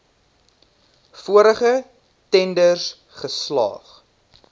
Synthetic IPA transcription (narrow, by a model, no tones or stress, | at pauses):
fuəɾəχə | tɛndərs | χəslɑ̰ːχ